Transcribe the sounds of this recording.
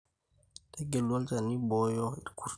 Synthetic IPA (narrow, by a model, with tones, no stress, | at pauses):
tɛ˦ɡɛ˨lwɔ˦lt͡ʃa˨ni˦bɔ˨˦jɔ˦i˨ku˦ɾ